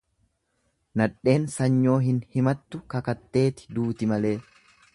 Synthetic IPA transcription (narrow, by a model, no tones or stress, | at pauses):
nɐᶑe̞ːnsɐɲːo̞ːɦɪnhɪmɐt̪ːʊkɐkɐt̪ːe̞ːt̪ɪ̥d̪uːt̪ɪmɐle̞ː